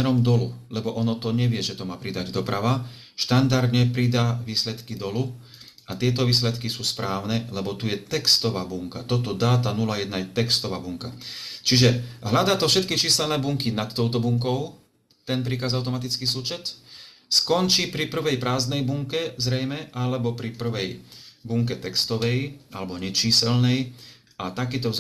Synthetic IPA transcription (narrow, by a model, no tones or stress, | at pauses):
ɛɾɔmd̪ɔlulɛbɔʔɔnɔt̪ɔɲɛʋɪɛʒɛt̪ɔmaːpɾid̪aɟd̪ɔpɾʔaʋa | ʃt̪and̪aɾd̪ɲɛpɾid̪aːʋiːslɛt̪kid̪ɔlu | at̪ɪɛt̪ɔʋiːslɛt̪kisuːspɾʔaːʊnɛlɛbɔt̪ujɛt̪ɛkst̪ɔʋaːbuŋkat̪ɔt̪ɔd̪aːt̪anulajɛd̪najɛt̪ɛkst̪ɔʋa̰ːbuŋkat͡ʃiʒɛɦlad̪aːt̪ɔfʃɛt̪̚kit͡ʃiːsɛlnɛːbuŋkinat̪ːɔʊt̪ɔbuŋkɔʊ | t̪ɛnpɾikaːzaʊt̪ɔmat̪it͡skiːsuːt͡ʃɛt̪ | skɔnt͡ʃiːpɾipr̩ʋɛjpɾaːzd̪nɛjbuŋkɛzɾɛjmɛʔalɛbɔpɾipr̩ʋɛjbuŋkɛt̪ɛkst̪ɔʋɛja̰lɛbɔɲɛt͡ʃiːsɛlnɛj | at̪akiːt̪ɔ